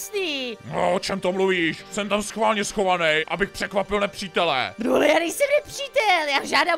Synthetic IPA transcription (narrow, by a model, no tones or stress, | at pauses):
sniːno̰ʔot͡ʃɛmt̪omluviːʃsɛmt̪amsxvaːlɲɛsxo̞vanɛjʔabɪxpr̥ɛkvapɪlnɛpr̥iːt̪ɛlɛ̰d̪ɾuɦlɛjaːnɛjsɛmnɛpriːt̪ɛljaːʒaːda